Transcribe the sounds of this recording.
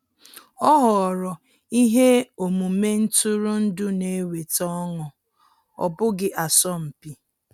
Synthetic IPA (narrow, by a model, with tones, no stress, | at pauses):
ɔ˦ɦɔ˨ɾɔ˨ | i˦ɦe˦o˨mu˨me˦n̩˦tʊ˦ɾʊ˦n̩˦dʊ˦ne˨˦we˨tɔ˦ŋɔ˨ | ɔ̰˨bʊ˦ɡɪ˦ʔa˨sɔ˦m̩˨pi˦